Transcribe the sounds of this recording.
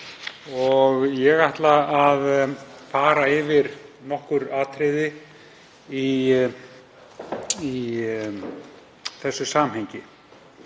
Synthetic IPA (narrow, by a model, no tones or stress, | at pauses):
ɔɣjɛɣaht̪laaðfaːɾaɪvɪɾnɔhkʏɾaːt̪ʰɾɪːðɪ | i | i | θɛsːʏsaːmɦejɲcɪ